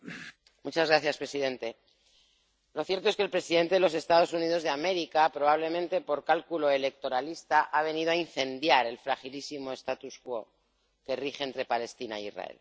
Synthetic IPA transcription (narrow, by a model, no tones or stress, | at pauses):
mut͡ʃazɣɾaθjaspɾe̞siðe̞nt̪e̞ | lo̞θje̞ɾt̪oeskelpɾe̞siðe̞nt̪e̞ðelo̞se̞st̪að̞o̞sunið̞o̞zðe̞ame̞ɾikapɾo̞βaβ̞le̞mẽ̞nt̪e̞po̞ɾkalkulo̞e̞le̞k̚t̪o̞ɾalist̪aʔaβ̞e̞nið̞oainθe̞nd̪jaɾe̞lfɾaxilisimo̞e̞st̪at̪uskwo̞ | ke̞rixeːnt̪ɾe̞pale̞st̪inaj̰izra̰ḛl